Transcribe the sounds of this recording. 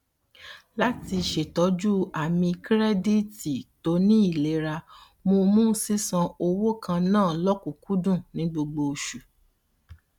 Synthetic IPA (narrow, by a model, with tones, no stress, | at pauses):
la˦ti˧˨ʃe˨tɔ˨˦d͡ʒu˦a˨mĩ˧kɾɛ˦di˦ti˨to˨˦nĩ˦i˦˨le˨˦ɾa˧ | mo˧mũ˦si˦sã˧o˧wo˦kʰã˧nãː˦˨lɔ˦ku˨ku˦dũ˦˨nĩ˨˦ɡ͡bo˧ɡ͡bo˧ʃu˨